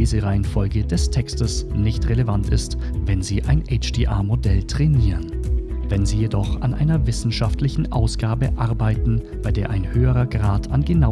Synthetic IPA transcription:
iːzəʁaɪənfɔlɡədɛstʰɛkstəsnɪçtʁelevantɪ̰st | vɛnziːʔaɪnʔɛɪt͡ʃd̥iːʔa̰ːmodɛltʁ̥ɛniːʁənvɛnziːjedɔχa̰nʔa̰ɪnɐvɪsn̩ʃaftlɪçn̩ʔa̰ʊsɡ̥aːbəʔaʁbaɪtn̩ | b̥aɪdeːɐʔaɪnhøːəʁɐɡʁaːtʰanɡəna

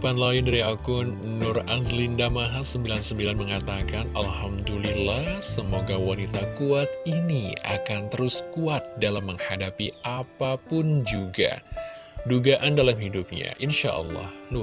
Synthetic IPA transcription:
panlaɪndaɾiakʊnː | ʊrazlindamaɦasəmbilansəmbilanməŋat̪akanʔalhamdulilahsəmoɡawanit̪akuat̪̚inia̰kant̪əɾʊskuat̪̚dalamːəŋhadapiʔapapʊnd͡ʒuɡa̰ | duɡaʔandalamhidup̚ɲa̰ʔinʃa̰ʔə̰lːɑ̰hlu

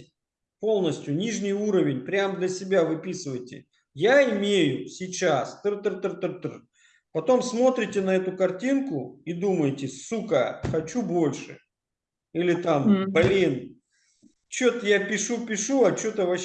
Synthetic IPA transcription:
po̞lˠnəsʲtʲjʊnʲiʐnʲɪjuɾəvʲɪnʲpɾʲamd̪lʲəsʲɪbʲavɨpʲisɨvəjtʲɪ̰ | jaɪmʲejʊsʲɪt͡ɕast̪ɨrt̪ɨrt̪ɨrt̪ɨrt̪ɨr | pɐt̪o̞msmo̞t̪ɾʲɪtʲɪnɐɛt̪ʊkɐrtʲinkʊid̪uməjtʲɪsukəxɐt͡ɕubo̞lʲʂɨ̰ | ilʲɪt̪amblʲin | t͡ɕo̞t̪əjapʲɪʂupʲɪʂuɐt͡ɕot̪vɐ

